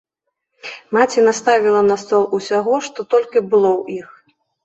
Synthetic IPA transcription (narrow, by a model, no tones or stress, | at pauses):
mat͡sʲinast̪avʲilˠɐnɐst̪ɔlˠusʲaɣɔʂt̪ɔt̪ɔlʲkʲibɨlˠɔwix